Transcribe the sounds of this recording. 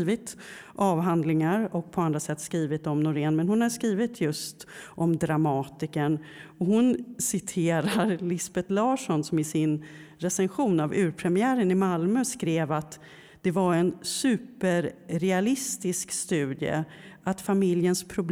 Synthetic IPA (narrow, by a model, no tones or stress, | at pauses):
vɪt̪ | ʔɑːvɦand̪lɪŋaɾɔk̚pʰɔand̪ɾasɛt̪ːskɾiːvɪt̪ɔmnʊɾeːnmɛnhʊnhaʂkɾiːvɪt̪ʰjɵst̪ʔɔmd̪ɾamɑːt̪ɪkənɔhʊnsɪt̪ʰeːɾaɾlɪsbɛt̪lɑːʂɔnsɔmɪsɪnɾɛsɛnɧuːnavʉ̟ːɾpʰɾɛmɪæːɾənɪmalmœskɾeːvat̪ | d̪̥ɛvaɾɛnsʉ̟ːpəɾɾɛalɪst̪ɪskst̪ʉ̟ːd̪jə̰ | at̪famɪljənspʰɾʊb̪